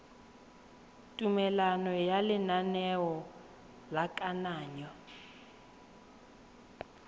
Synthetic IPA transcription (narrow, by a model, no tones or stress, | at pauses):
tʼumɛlanɔjalɪnanɛwɔ | lakʼanaːɲɔ